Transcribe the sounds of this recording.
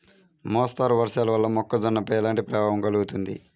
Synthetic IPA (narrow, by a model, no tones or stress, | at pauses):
mɔːst̪aːɾʋɐɾʂaːlɐʋɐlːɐmɔkːɐd͡ʒɔnːɐpɐjɛlaːɳʈipɾɐbaːʋɐmɡɐluɡut̪und̪ḭ